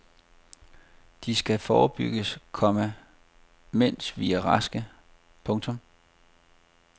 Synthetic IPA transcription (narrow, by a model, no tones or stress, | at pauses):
d̥isɡ̥æfɒːb̥yɡ̥əskʰɒ̽mə | men̰sʋiæʁɑsɡ̥ə | pʰɔ̽ŋt͡sʰɔ̽m